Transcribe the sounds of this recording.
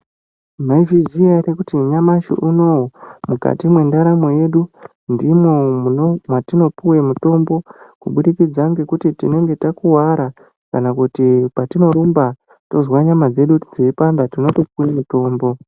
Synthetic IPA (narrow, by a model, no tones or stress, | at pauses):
maivizijarekutiɲamaʃḭʔuno̞wmuka̰timwe̞ndaɾamoje̞ɗu | ndimomwatino̞puwe̞muto̞mbo̞kuɓuɗikid͡zaŋɡe̞kutitino̞ŋɡe̞takuwaɾa | kanakutipatino̞ɾumba | to̞zwaɲamad͡ze̞ɗutid͡zoipambatino̞topuwemuto̞ːmbo̞